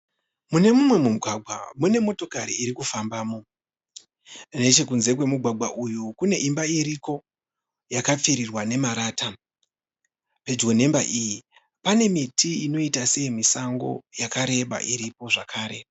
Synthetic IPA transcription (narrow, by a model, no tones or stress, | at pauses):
mune̞mumwe̞mumuɡʱwaɡʱwa̰mune̞mo̞to̞kaɾiːɾikufambaːmo̞ | ne̞t͡ʃe̞kunze̞kwe̞muɡʱwaɡʱwaʔujukune̞ʔimbaiɾiko̞ | jakap͡fiɾirwane̞maɾaːta | pe̞d͡ʒɡo̞ne̞mbaʔiji | pane̞mitiino̞itase̞imisaŋɡo̞̰jakaɾe̞ɓa̰ʔiɾipo̞ʐakʰaːɾe̞